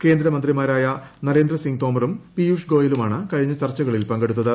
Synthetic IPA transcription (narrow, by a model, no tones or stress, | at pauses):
ke̞ːnd̪ɾɐmɐnd̪rimaːɾaːjɐnɐɾe̞ːnd̪rɐsiŋt̪o̞ːmɐrumpijuːʂɡo̞ːjɐlumaːɳɨkɐɻiɲːɐt͡ɕɐrt͡ɕːɐɣɐɭilpɐŋɡe̞ɽut̪ːɐðɨ